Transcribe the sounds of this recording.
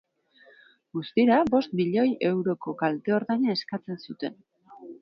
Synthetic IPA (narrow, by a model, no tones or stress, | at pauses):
ɡust̪iɾabo̞st̪miʎo̞jʔe̞wɾo̞ko̞kalt̪e̞o̞ɾðajɲae̞skat͡se̞nsut̪e̞n